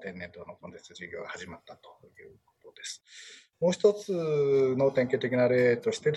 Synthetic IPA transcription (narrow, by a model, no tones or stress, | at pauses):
t̪ẽ̞nːẽ̞nd̪oːnoko̞nt̪esʑiɡʲo̞̰ːɡahaʑimat̪ːat̪o̥ | jɯ̟ːkot̪o̞d̪e̞sɨ̥ | mo̞ːçi̥t̪o̞t͡sɨno̞t̪ẽ̞ŋkʲeːt̪e̞kʲinaɾe̞ːt̪o̞ɕi̥t̪e